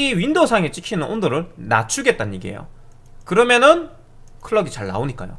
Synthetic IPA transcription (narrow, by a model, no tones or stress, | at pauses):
iɥindosʰaŋet͡ɕ͈ikʰinɯnʔondoɾɯɭna̰t͡ɕʰuɡe̞t̚t͈aɲːiɡiḛjo̰ | kɯɾʌmjʌnɯn | kʰɯɭːʌɡit͡ɕaɭna̰oɲik͈a̰jo̰